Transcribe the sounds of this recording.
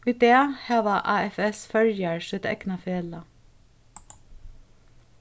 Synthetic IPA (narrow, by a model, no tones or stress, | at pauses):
iːd̪eːhæːʋɑʔɑːɛfɛsfœɾjəɹʃœːt̪ɛ̰knɑfeːlə